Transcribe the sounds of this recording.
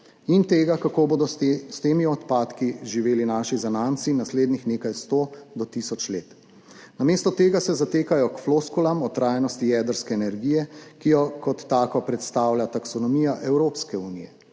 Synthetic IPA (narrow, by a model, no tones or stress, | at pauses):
int̪eːɡakakoːbod̪ɔst̪emiɔt̪paːt̪kiʒiʋeːlinaːʃizanant̪sinasleːd̪nixneːkajst̪od̪ɔt̪isɔt͡ʃleːt̪ | nameːst̪ɔt̪eːɡasɛzat̪eːkajɔkfloskulamɔt̪ɾaːjnɔst̪ijɛːd̪əɾskɛːnɛɾɡijɛkijɔkɔt̪ːaːkɔpɾɛt̪st̪aːwlʲjat̪aksɔnɔmijaʔɛwɾoːpskɛunijɛ